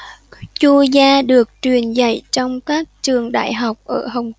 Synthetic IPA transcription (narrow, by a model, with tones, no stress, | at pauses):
t͡ɕu˧zaː˧ɗɨ˨˩ək̚t͡ɕwi˨˩ənza̰˧˩jt͡ɕɔ˧wŋ͡mkaː˦˥k̚t͡ɕɨ˨˩əŋɗa̰ː˧˨jɦa˨˩wk͡p̚ʔəː˧˩ɦə˨˩wŋ͡m